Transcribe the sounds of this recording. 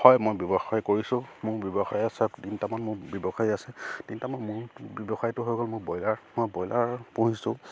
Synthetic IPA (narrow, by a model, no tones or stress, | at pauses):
hɔjmojbjɔbɔxajkoɹisʊ̃mʊɹbjɔbɔxajasɛdintamanmʊɹbjɔbɔxajasɛd̥intamanmʊɹbjɔbɔxajtʊɦojɡɔlmʊɹbɔjlaɹmojbɔjlʔaɹpũɦisʊ̃